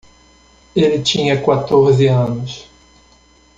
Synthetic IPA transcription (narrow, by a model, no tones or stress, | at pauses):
elɪt͡ʃĩɲɐkwat̪oɾzɪɐ̃nʊs